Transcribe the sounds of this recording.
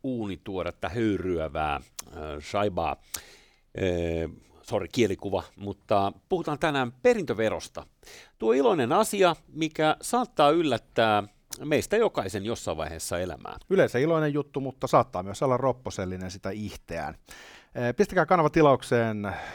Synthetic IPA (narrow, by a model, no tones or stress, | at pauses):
uːnit̪uorɑt̪ːɑhøyryæʋæ̰ː | rɑibɑ̰ː | sorikielikuʋɑmut̪ːɑpuhut̪ɑːnt̪ænæːmperint̪øʋero̰st̪ɑ̰ | t̪uoiloinenɑsiɑmikæsɑːt̪ːɑːylːæt̪ːæː | meist̪æjokɑisenjosːɑiʋʋɑ̰iheːsːɑelæ̰mæ̰ːyleiseiloinejjut̪ːumut̪ːɑsɑːt̪ːɑːmyøsolːɑrropːoselːinensit̪æiht̪eæ̰nː | pist̪ækæːkɑnɑʋɑt̪ilɑukseːn